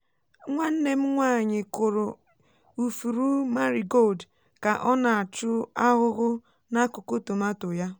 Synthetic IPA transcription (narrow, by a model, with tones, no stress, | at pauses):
ŋʷa˦n̩˦ne˦m̩˦ŋʷa˦˨ɲɪ˨kʊ˨ɾʊ˨ | u˨fu˨ɾu˦ma˦ɾi˨ɡo˦ld | ka˨ʔɔ˦na˨a˨t͡ʃʊ˦a˦ɣʊ˦ɣʊ˦ | na˦kʊ˨ko˦to˨ma˦tʊ˨ja˦